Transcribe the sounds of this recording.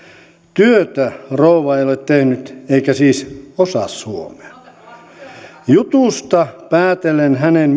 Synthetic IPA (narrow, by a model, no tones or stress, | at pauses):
t̪yøt̪ærouʋɑeijolet̪t̪ehnyt̪eikæsiːsosɑ̰shuomeɑ | jut̪uˑst̪ɑpæːt̪elenhænen